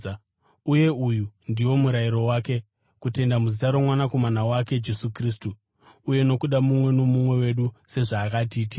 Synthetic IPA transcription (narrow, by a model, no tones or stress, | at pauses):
uje̞ujundiwo̞muɾaiɾo̞waːke̞ | kute̞ndamuzitaɾomwanako̞manawake̞d͡ʒe̞sukris̬tu | uje̞no̞kuɗamumwe̞no̞mumwe̞we̞ɗuse̞ʐaːkat̬iːti